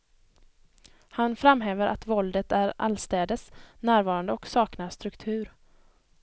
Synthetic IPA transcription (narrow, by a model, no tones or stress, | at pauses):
hanfɾamɦɛːvəɾʔa̰t̪vɔld̪ət̪æɾʔa̰lst̪ɛːd̪əsnæːɾvɑːɾand̪əɔksɑːknast̪ɾɵkt̪ʰʉ̟ːɾ